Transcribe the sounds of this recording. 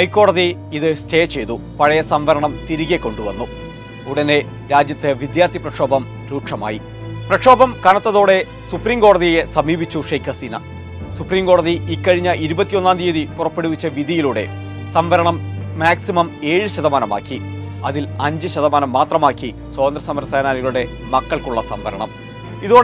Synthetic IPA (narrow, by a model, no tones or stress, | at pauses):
hɐjkːo̞ːɽɐði | iðɨste̞ːt͡ɕːe̞jt̪upɐɻɐjɐsɐmʋɐɾɐɳɐmt̪iɾiɣekːo̞ɳɖuʋɐnːu | uɽɐne̞ | ɾaːd͡ʑjɐt̪ːeʋid̪jaːrt̪ʰiprɐkʂo̞ːbɐm | ɾuːʈʂɐma̰ːji | prɐkʂo̞ːbɐmkɐːnɐt̪ːɐðoːɽe̞ | supriːmko̞ːɽɐðije̞sɐmiːbit͡ɕːuʂɐjkʰɐsiːnɐ̰ | supriːmko̞ːɽɐðiikːɐɻiɲːɐʔiɾubɐt̪ːijo̞nːaːnd̪ijɐðipurɐpːe̞ɽuʋit͡ɕːɐʋiðijiluːɽe̞̰ | sɐmʋɐɾɐɳɐmːaːksimɐme̞ːɻɨɕɐðɐmaːnɐma̰ːkːi | ɐðilɐɲd͡ʑɨɕɐðɐmaːnɐmːaːt̪rɐmaːkːi | swoːðɐnd̪rɐsɐmɐɾɐsaːnaːniɣɐɭuɽe̞ | mɐkːɐɭkuɭːɐsɐ̰mʋɐ̰ɾɐ̰ɳɐm | iðoː